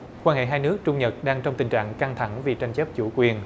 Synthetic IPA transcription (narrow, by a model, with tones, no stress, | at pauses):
kwaː˧nhḛ˧˨ɦaː˧jnɨ˦˥ək̚t͡ɕʊ˧ŋ͡mɲə˨˩t̚ɗaː˧ŋt͡ɕɔ˧wŋ͡mt̪ï˨˩ŋ̟t͡ɕa̰ː˧˨ŋka˧ŋt̪ʰa˧˩˦ŋvi˨˩t͡ɕa˧jŋ̟t͡ɕə˦˥p̚t͡ɕu˧˩˦kwi˨˩ən